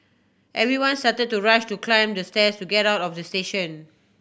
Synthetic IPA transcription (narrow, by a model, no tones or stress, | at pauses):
ʔɛvɹiwãnstatəd̚tuɹaʃtuklãɪ̃mdəstɛstuɡɛɾaʊtɔfdəsteʃə̃n